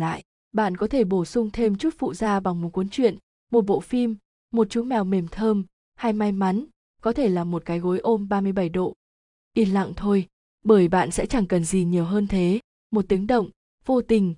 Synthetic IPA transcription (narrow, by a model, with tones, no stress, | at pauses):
la̰ː˧˨j | ɓa̰ː˧˨nkɔ˨˦t̪ʰe˧˩ɓo˧˩sʊ˧ŋ͡mt̪ʰe˧mt͡ɕu˦˥t̚fṵ˧˨zaː˧va˨˩ŋmo˨˩t̚kwu˨˦nt͡ɕwḭ˧˨ən | mo˨˩t̚ɓo̰˧˨fi˧mː | o˨˩t̚t͡ɕu˨˦mɛ˨˩wme˨˩mt̪ʰəː˧m | ha˧jma˧jma˨˦n | kɔ˨˦t̪ʰe˧˩laː˨˩mo˨˩t̚kaː˨˦jɣo˨˦jʔo˧mɓaː˧mɨ˧əjɓa˧˩jɗo̰˧˨ | ʔi˧˩nla̰˧˨ŋt̪ʰo˧j | ɓəː˧˩jɓa̰ː˧˨nsɛ̰˧˥t͡ɕa˧˩ŋkə˨˩nzi˨˩ɲi˨˩əwɦəː˧nt̪ʰe˨˦ | mo˨˩t̚t̪i˨˦ŋɗə̰˧˨wŋ͡m | vo˧t̪ï˨˩ŋ̟